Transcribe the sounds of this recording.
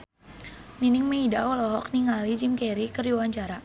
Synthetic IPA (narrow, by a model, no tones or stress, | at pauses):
ninɪŋmeidaɔlɔɦɔk̚niŋalid͡ʒimkɛɾikərdiwaɲt͡ʃaɾa